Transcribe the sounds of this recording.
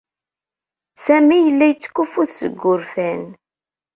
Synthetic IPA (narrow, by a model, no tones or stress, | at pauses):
sæmijəlːæjət͡sːkːufuθsə̰ɡʷːʊɾfæn